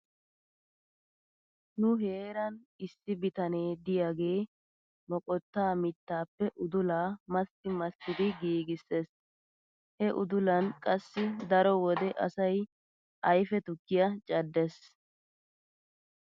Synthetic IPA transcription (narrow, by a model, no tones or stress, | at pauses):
nʊɦe̞ːɾɐnɪsːɪbɪt̪ɐne̞ːd̪ɪjaɡe̞ː | mɔkʼɔt̪ːaːmɪt̪ːaːpːɛʔʊd̪ʊlaːmɐst̪ɪmɐst̪ːɪd̪ɪɡiːɡɪsːes | hɛʔʊd̪ʊlɐnkʼɐsːɪd̪ɐɾɔwɔd̪ɛʔɐsɐj | ʔɐjfɛt̪ʊkːɪjɐt͡ʃʼɐd̪ːes